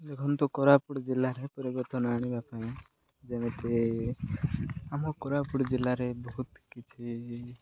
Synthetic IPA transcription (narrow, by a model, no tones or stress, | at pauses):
dekʰɔnt̪ɔkɔɾapuɽd͡ʒelaɾepɔɾiɡɔt̪ɔnaɽ̃ibapaĩ | d͡ʒɛmet̪e | amɔkɔɾapuɽd͡ʒelaɾebɔɦut̪kit͡ʃʰi